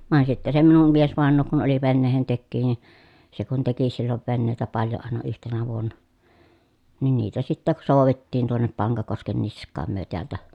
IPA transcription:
ʋɑˑen sitːe se minum miesʋɑˑenˑoː kun oli ʋenːeːhentekːiː ni se kun teki silːoʋ ʋenːeˑi̯tæ pɑljo ɑˑenɑ yhtenæ ʋuonːɑ nin niːtæ sitːæk soˑu̞ʋetːiːn tuonːep pɑŋkɑkosken niskˑɑːm myø teæltæ

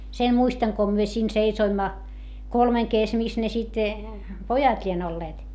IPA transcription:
sen muistɑŋ ko myø siːn seisoimːɑ kolmeŋ kes mis ne sit pojɑt lʲien olːeːt

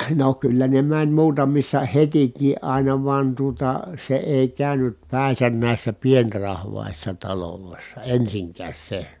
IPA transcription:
no kylːæ ne mænʲ muːtɑmisːɑ hetikˑiː ɑˑinɑ ʋɑn tuotɑ se eˑi kæˑynyt pæˑi̯sæn næˑisːæ pienrɑhʋɑˑisːɑ tɑloloˑisːɑ ensiŋkæːs se

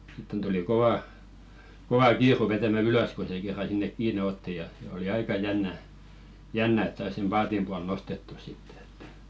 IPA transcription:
sitːen tuli koʋɑˑ koʋɑ kiːru ʋetæmæ yløs ko se kerːɑ sinːek kiːne otːi jɑ oli ɑikɑ jænːæ jænːæ et sɑis sem pɑːtim puɑl nostetːu sitːe̥ e̥tːæ̥

